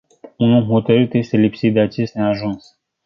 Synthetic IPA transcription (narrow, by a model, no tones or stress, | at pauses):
unulɦo̞t̪əɾɨt̪jest̪e̞lipsit̪̚d̪e̞at͡ʃe̞st̪eaʒuns